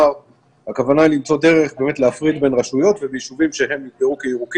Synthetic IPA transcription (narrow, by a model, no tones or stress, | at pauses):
aʁ | hakavanailimt͡so̞de̞ʁe̞χbe̞me̞t̪leafʁid̪be̞nʁaʃujo̞t̪vebejiʃuvimʃeɦe̞mnit̚beʁukeiʁuki